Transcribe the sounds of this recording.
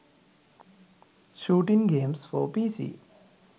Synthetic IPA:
ʃuːʈiŋɡeːmsfɔːpiːsḭː

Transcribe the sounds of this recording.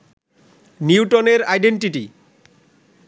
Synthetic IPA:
niwʈoneɾajɖeɳʈiʈi

